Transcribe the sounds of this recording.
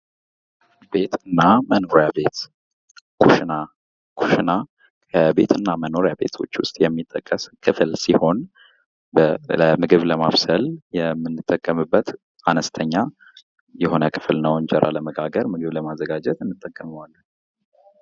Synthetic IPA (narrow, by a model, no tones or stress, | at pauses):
be̞t̪ɨnːamənoɾjabe̞t̪ | kʰuʃna | kʰuʃna | kʰəbe̞̰t̪ɨnːaməno̞ɾjabe̞̰t̪ʰwo̰t͡ʃːwʊst̪ʼjɛmːit̪ʼːəkʼːəskʰɨflsiho̞n | bəmɨɡɨβləmaβsəljɛmːɨnːɨt̪ʼːəkʼːəmɨbːət̪ | anəst̪ʰəɲːa | jɛho̞nəkʰɨ̥flnəwɨɲd͡ʒɛɾʔa̰ləməɡaɡəɾmɨɡɨβləmazːəɡad͡ʒɛt̪ɨnːɨt̪ʼːəkʼːəməwalː